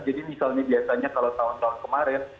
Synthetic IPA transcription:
d͡ʒadimisalɲabiasaɲakalawt̪aʊnt̪aʊnkəmaɾɪn

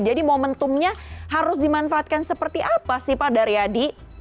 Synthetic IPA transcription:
d͡ʒadimomənt̪ʊmɲaɦaɾʊsdimanfaat̪̚kansəpərt̪iʔapasɪhpadaɾiadi

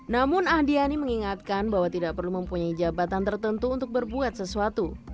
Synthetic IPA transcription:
namʊnahdianiməŋiŋat̪̚kanbaɦwat̪idaʔpərluməmpuɲaid͡ʒabat̪ant̪ərt̪ənt̪uuːnt̪ʊk̚bərbuat̪̚səsuat̪u

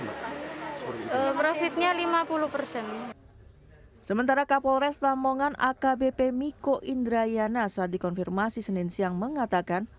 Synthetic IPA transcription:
əpɾofit̪̚ɲalimapuluhpərsɛn | səmənt̪aɾakapoɾɛst̪amoŋana̰kabepemikoʔind̪ɾajanasadikɔnfirmasisənɪnsiaŋməŋat̪akan

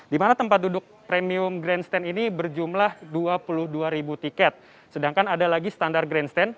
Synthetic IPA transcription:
dimanat̪əmpat̪̚dudʊk̚pɾemiʊmɡɾɛnst̪ɛninibərd͡ʒumlahduapulʊhduaɾibut̪ikɛt̪̚ | sədaŋkanadalaɡisə̥t̪andar̚ɡɾɛnst̪ɛn

